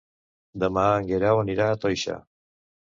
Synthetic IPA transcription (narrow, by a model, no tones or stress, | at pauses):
d̪əmaːŋɡeɾawəniɾaːt̪ojʃa̰